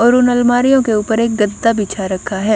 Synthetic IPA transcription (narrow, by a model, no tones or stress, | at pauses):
ɔːɾʊnəlmaːɾijõkeuːpəɾeːk̚ɡəd̪ːabʱiːt͡ʃʰaɾɐkʰːaɦɛː